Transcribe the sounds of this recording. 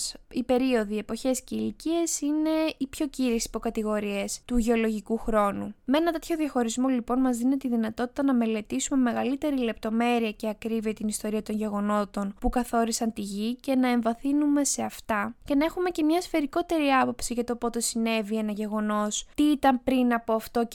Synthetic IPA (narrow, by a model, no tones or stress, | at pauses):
ipe̞ɾio̞ðie̞po̞çe̞sceilicie̞sine̞ipço̞ciɾisi̥po̞kɐt̪iɣo̞ɾie̞st̪uʝe̞o̞lo̞ʝikuxɾo̞numee̞nɐt̪e̞t̪ʰço̞ðiɐxo̞ɾizmo̞lipo̞nmɐzðinet̪iðinɐt̪o̞t̪i̥t̪ɐnɐme̞le̞t̪isume̞me̞ɣɐlit̪e̞ɾile̞p̚t̪o̞me̞ɾiɐceɐkɾiviɐt̪inist̪o̞ɾiɐt̪o̞nʝe̞ɣo̞no̞t̪o̞npukɐθo̞ɾisɐnt̪iʝice̞nɐe̞ɱvɐθinume̞se̞ɐft̪ɐce̞nɐe̞xume̞ce̞mɲɐsfe̞ɾiko̞t̪e̞ɾiɐpo̞psiɣɐt̪o̞po̞t̪e̞sine̞vie̞nɐʝe̞ɣo̞no̞st̪iit̪ɐmpɾinɐpoɐft̪o̞